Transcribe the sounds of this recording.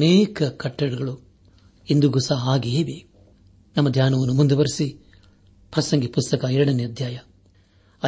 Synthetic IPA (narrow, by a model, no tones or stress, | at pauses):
neːkɐkɐʈːɐɽuɡɐɭu | ind̪uɡusaɦaːɡieːbe | nɐmːɐd̪ʱjaːnɐʋɐnːumund̪uʋɐɾisi | pɾɐsɐŋɡipust̪ɐkɐɛɾɐɽɐneɐd̪ʱjaːjɐ | ɐ